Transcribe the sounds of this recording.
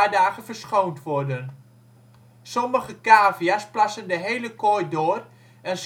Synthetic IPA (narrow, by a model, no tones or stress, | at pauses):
aːdaːχəvəɹsχowntʋɔɹdən | sɔməχəkaːvijasplɑsəndəɦejləkojdoːr | ɛns